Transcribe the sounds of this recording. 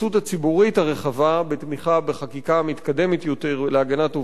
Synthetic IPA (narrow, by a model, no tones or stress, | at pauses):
uthat͡sibuʁithaʁe̞χavabet̪miχabeχakikamit̪kad̪e̞metjo̞teʁleaɡanatu